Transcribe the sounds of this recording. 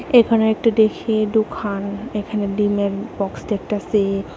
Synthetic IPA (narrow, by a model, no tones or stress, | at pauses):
ekʰɔneɾek̚ʈud̪ekʰeɖukʰanekʰaneɖimeɾbɔksdeɛk̚ʈase